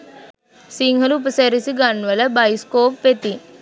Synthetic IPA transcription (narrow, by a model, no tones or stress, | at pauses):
siŋɦəluːp̬əsæɾisiɡanːʋələbɐjskoːpʋet̪i